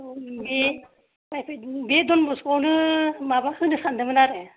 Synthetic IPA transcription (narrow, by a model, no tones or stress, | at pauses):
be | bajpʰabedɔnbɔskɔwnɯmabahɯjnɯsandɯmɯnaɾɛ